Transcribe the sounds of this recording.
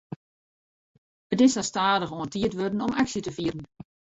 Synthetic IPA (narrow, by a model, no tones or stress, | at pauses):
ətɪsastaːdəxoːəntiətʋødn̩ɔmaksjətəfiərən